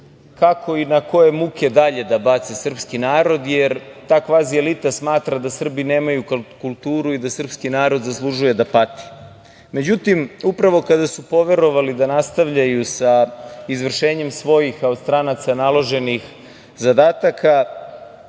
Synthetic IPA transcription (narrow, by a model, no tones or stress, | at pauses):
kakʰo̞inako̞je̞muke̞d̪aʎe̞d̪abat̪sesr̩pskinaːɾo̞d̪jeɾt̪aːkʋaːzielit̪asmaːt̪ɾad̪asr̩bine̞ːmajukulˠt̪uːɾuid̪asr̩pskinaːɾo̞d̪zaslˠuʒuje̞d̪apat̪i̥ | me̞d͡ʑut̪imupɾaʋo̞kad̪asupo̞ʋe̞ɾo̞ʋalid̪anast̪aʋʎajusaizʋr̩ʃe̞ːɲe̞msʋo̞jixkaost̪ɾanat̪sanalˠo̞ʒe̞nix | zad̪aːt̪akʰa